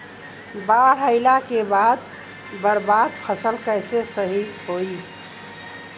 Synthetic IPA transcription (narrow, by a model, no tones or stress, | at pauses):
baɽ̤əɪlakebad̪ | bəɾbad̪̚pʰəsəlkəjsesəɦiɦoi